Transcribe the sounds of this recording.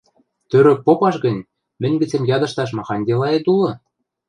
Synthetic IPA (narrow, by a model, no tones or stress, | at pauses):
t̪øɾɘ̆k̚popɑʃɡɤ̆nʲ | mɘ̆nʲbɘ̆t͡sĕmjɑd̪ɤ̆ʃt̪ɑʃ̬mɑxɑnʲd̪ʲelɑet̪ulɤ̆